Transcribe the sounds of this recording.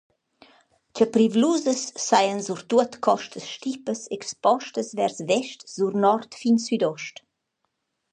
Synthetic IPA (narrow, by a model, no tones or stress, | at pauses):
t͡ɕəpɾivluzəsːajənzuɾt̪uət̪kʰɔʃtʰəsʃtipəsɛkspɔʃtəsvɛrsvɛʃtz̥urnɔrt̪finsyd̪ɔʃt